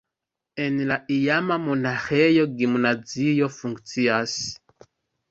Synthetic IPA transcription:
ɛnilaʔijamamɔnaxɛjɔɡimunad͡zijɔfuŋɡt͡sias

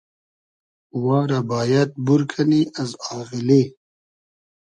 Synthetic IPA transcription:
waːɾabaːjɐt̪̚buɾkʰɐniɐzaːɣili

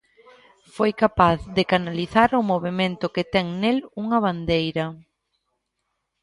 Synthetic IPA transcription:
fojkapaθðɪkanaliθaɾʊmoβ̞emẽnt̪ʊkɪt̪ɛŋneluŋɐβand̪ejɾɐ

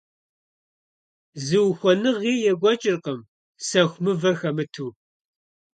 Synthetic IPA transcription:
zɨwxʷɔnɨʁiːjɛɡʷɔt͡ʃʼɪrqəm | sɐxʷmɨvɐxɐmɨtʰuː

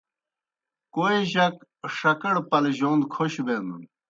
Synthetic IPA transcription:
koeʑɐkʂɐkɐɽpɐlʑoːnd̪kʰoɕbeːnd̪un

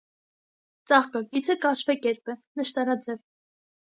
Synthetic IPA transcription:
t͡sɑχkɑkit͡sʰəkɑʃvɛkɛɾpənəʃt̪ɑɾɑd͡zɛv

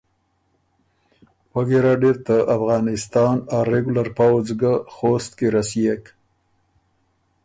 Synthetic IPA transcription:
waɡeɾaɖeɾt̪aafɣɑnɪst̪ɑnawɾeɡulaɾpawzɡaxost̪̚keɾasijek

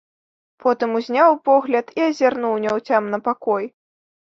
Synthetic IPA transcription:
pʰɔt̪ɨmuzʲnʲawpɔɣlʲɐt̪iɐzʲarnuwnʲɛwt͡sʲamnɐpakɔj

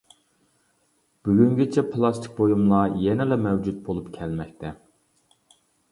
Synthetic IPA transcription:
b̥yɡʲyŋɡʲet͡ʃʰɛpʰlˠɑst̪ʰi̥k̚ʲbojumlˠɑjenɪlɛmɛwd͡ʒut̪̚bolˠupkʲʰɛlmɛk̚ʲt̪ʰɛ

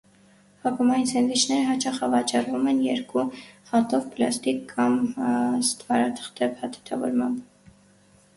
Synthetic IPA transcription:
hɑpʰəmɑjnsʰɛnvit͡ʃʰnɛɾəɦɑt͡ʃʰɑχəvɑt͡ʃɑrvumɛnjɛɾkuhɑt̪ɔvplɑ̰st̪ikːɑmst̪vɑɾɑt̪ʰə̥χt̪ɛvhɑt̪ʰu̥t̪ʰɑvɔ̰ɾmɑmb

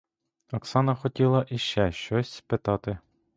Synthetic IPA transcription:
ɐksɑnɐxɔtʲilˠɐʔiʃt͡ʃɛʃt͡ʃɔsʲspɪt̪ɑt̪ɪ

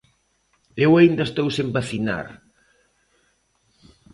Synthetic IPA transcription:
ewaind̪ɐest̪owsempaθina̰ɾ

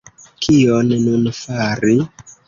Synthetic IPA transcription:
kʰionnunfaɾi

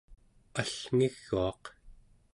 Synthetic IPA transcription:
aɬŋiɣːuɑq

